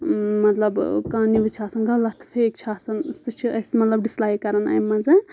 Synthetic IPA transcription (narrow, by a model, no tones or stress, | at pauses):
mɐt̪lɐbkaːnibit͡ʃʰaːsɐnɡɐlɐt̪ʰfʰeːk̚t͡ʃʰaːsɐnsɨt͡ʃʰiɐsmɐt̪lɐb̚ɖislaːjkɐɾɐna̰jmɐze